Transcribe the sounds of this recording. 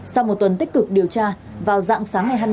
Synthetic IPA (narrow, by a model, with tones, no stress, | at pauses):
sa˧wmo˨˩t̚t̪ə˨˩nt̪i˦˥kɨ˨˩k̚ɗi˨˩əwt͡ɕaː˧ | vaː˨˩wza̰ː˧˨ŋsaː˨˦ŋːa˨˩jɦaː˧jm